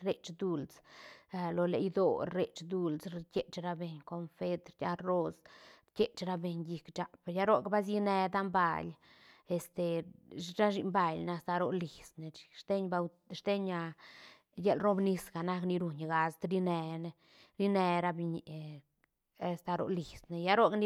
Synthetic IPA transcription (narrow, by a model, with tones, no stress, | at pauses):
ɾe˨t͡ʃd̪u˧lt͡sa˧lo˧le˨ʔjd̪o̰˨ɾe˨t͡ʃd̪u˧lsɾkʲe˦t͡ʃɾa˦be˨ɲko˧nfe˦t̪ɾjʲa˦ɾo˦sɾkʲe˦t͡ʃɾa˦be˨ɲji˧kt͡ʃa˨pja˦ɾo˦kba˦s̬ji˦ne˧d̪a˦mba̰˧l | e˨st̪e˨ɾa˦ʃi˧mba˧jn˧a˧st̪a˧ɾo˨li˨sne̥˨ʂt̪e˦ɲba˧ | ʃt̪e˦ɲa˧ | je˦lɾo˦bni˧sɡa˨na˦˧kni˧ɾu˨ɲɡa˧st̪ɾi˦ne˧ne˧ | ɾi˦ne˧ɾa˧bi˧ɲi˨ | a˨st̪a˧ɾo̰˨ʔli˨sne˨ja˦ɾo˦kni˦